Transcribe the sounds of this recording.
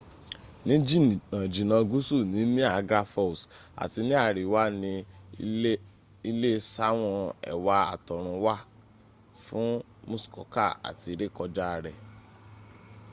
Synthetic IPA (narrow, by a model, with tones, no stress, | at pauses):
nĩ˦d͡ʒi˦˨nã˨d͡ʒi˨nã˧ɡu˦su˦˨nĩ˨˦nĩ˦a˦˨ɡɾa˦fɔ˦˨sa̰˨ti˧nĩ˦a˦˨ɾi˨wa˦nĩ˧ | i˧le˦sa˦w̃ɔ̃˧ɛ̰˨wa˧a̰˨tɔ˨ɾ̃ũ˧wa˦ | fũ˦ | mũ˦skɔ̰˨ka̰˦˨a̰˨ti˧ɾe˦˨kɔ˧d͡ʒa˦˧ɾɛ˨